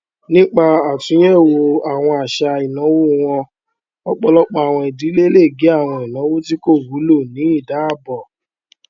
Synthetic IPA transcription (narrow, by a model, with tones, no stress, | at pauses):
nĩ˦k͡pa˧a˨tũ˨˦ɛ̃˦˨wo˧a˨w̃ɔ̃˧a˨ʃa˧i˨nã˨˦wo˦w̃ɔ̃˧ | ɔ˦k͡pɔ˧lɔ˦k͡pɔ˧a˨w̃ɔ̃˧i˨di˨˦le˦le˦˨ɡe˨˦a˦˨w̃ɔ̃˧i˨nã˨˦wo˦ti˦ko˦˨wu˨˦lo˦˨nĩ˨˦i˦˨da˨˦a˦˨bɔ˨